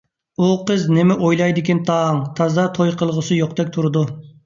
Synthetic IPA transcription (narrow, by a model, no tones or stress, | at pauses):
uqʰəznɪmɪʔojlˠɑjd̪ɪkʲɛnt̪ʰɑŋt̪ʰɑzɑt̪ʰojqʰəlˠʁəsɨjoqd̪ɛkʲt̪ʰuɾɨd̪u